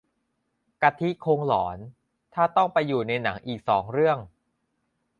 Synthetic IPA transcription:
ka˧t̪ʰi˦˥kʰoː˧ŋlɔː˩˦n | t̪ʰaː˥˩t̪ɔ˥˩ŋpa˧jːuː˨˩na˧jna˩˦ŋʔiː˨˩k̚sɔː˩˦ŋɾɯ˥˩əŋ

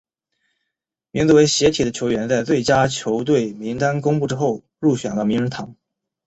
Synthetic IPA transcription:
mi˧˥ŋt͡su˧˥we˧˥ɪɕjɛ˧˥t̪ʰi˨˩d̪ə˦t͡ɕʰjo˧˥ʊɥɛ˧˥nt͡sa˥˧ɪt͡swe˥˩ɪt͡ɕja˥t͡ɕʰjo˧˥ʊt̪̬we˥˩ɪmi˧˥ŋt̪a˥nkʊ˥ŋpu˥˧˩ʈ͡ʂɻ̩˥xo˥˩ʊ | ɻu˥˩ɕɥɛ̰˨˩nlə˥˧mi˧˥ŋɻə˧˥nt̪ʰɑ˧˩˥ŋ

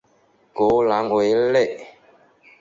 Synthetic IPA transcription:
ko˨˦la˨˦ŋ˨we˨˦le˦˨ʔ

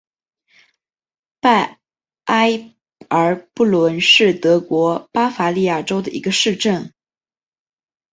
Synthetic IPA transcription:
pa˥˩ | ʔa˥ɪ | ə˞˧˥pu˥˩lwə˧˥nʂɻ̩˥˩t̪ɤ˧˥kwɔ˧˥pa˥fa˧˥li˥˧ja˥˩ʈ͡ʂo˥ʊd̪ə˨ʔḭ˧˥ɡə˧ʂɻ̩˥˧ʈ͡ʂə˥˩n

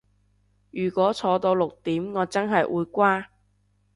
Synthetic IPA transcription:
jyː˨˩kʷɔː˨˥t͡sʰɔː˨˧t̪o˧wlʊ˨k̚t̪iː˨˥mŋɔː˨˧t͡sɐ˥nɦɐ˨jʔuː˨˧jkʷwaː˥

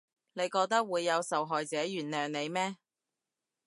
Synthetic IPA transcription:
ne˨˧jkɔː˧k̚t̪ɐ˥k̚wuː˨˧jːɐ˨˧wsɐ˨wɦɔː˨jt͡sɛː˨˥jyː˨˩nnœː˨ŋne˨˧jmɛː˥

